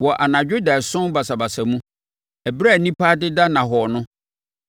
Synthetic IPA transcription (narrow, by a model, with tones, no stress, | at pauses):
wɔ˨ʔa˨nã˨d͡ʑᶣo˦da˨sʊ̃˦ba˨sa˨ba˨sa˨mũ˦ | ɛ˨bɾa˦˨nĩ˦pa˦dɪ˦da˦nã˨ɦɔ˨nʊ̃˦